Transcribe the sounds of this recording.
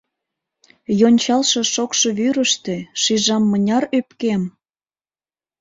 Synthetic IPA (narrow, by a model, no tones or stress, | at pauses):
jonʲt͡ɕɑlʃe̽ʃokʃɤβyɾə̆ʃt̪eʃiʒɑmːənʲɑrøpkem